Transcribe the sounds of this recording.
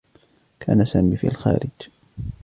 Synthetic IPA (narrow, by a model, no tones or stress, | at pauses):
kʰa̰ːnasaːmifḭːʔalxa̰ːɾɪd͡ʒ